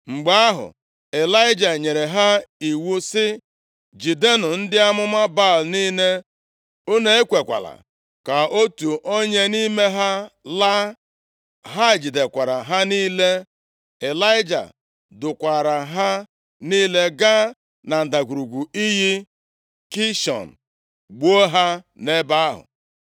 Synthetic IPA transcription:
ŋ͡m̩˨ɡ͡ba˨a˦ɦʊ̰˨ | e˨la˦ɪ˦d͡ʒa˨ɲe˨ɾe˨ɦa˦i˨wu˦sɪ˦ | d͡ʒi˨de˦nʊ˨n̩˦dɪ˦a˦mʊ˦ma˦ba˦˨lniː˦ne˦ | o˦ne˦e˦kʷe˨kʷa̰˨la̰˨ | ka˨o˦tu˨ʔo˦ɲe˦ni˦me˦ɦa˦la˦ | ɦa˦ɪ˨d͡ʒi˨de˨kʷa˨ɾa˨ɦa˦niː˦le˦ | e˨la˦ɪ˦d͡ʒa̰˨ | dʊ˨kʷa˨ɾa˨ɦa˦ | niː˦le˦ɡa˦ | na˨n̩˨da˨ɡʷu˨ɾu˨ɡʷu˨i˦ɦi˦ | ki˦ʃɔ̰˨n̩˨ | ɡ͡bo˦o˦ɦa˦ne˦ba˦a˦ɦʊ̰˨

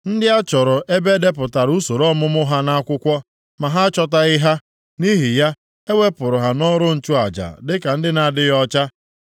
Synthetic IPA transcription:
n̩˦dɪ˦a˦t͡ʃɔ˨ɾʊ˨ʔe˦be˦de˦p̬ʊ˨ta˨ɾu˦so˨ɾɔ˦mʊ˦mʊ˦ɦa˦na˦a˦kʷʊ˦kʷɔ˦ | ma˨ɦa˦t͡ʃɔ˦ta˨ɪ˦ɦa˦ | ni˦ɦi˨ja˦ | e˦wʷe˦pʊ˨ɾʊ˨ɦa˨nɔ˦ɾʊ˦n̩˦t͡ʃʊ˦a˨d͡ʒa̰˨dɪ˦ka˨n̩˦dɪ˦na˨dɪ˦ɣɔ˦t͡ʃa˦

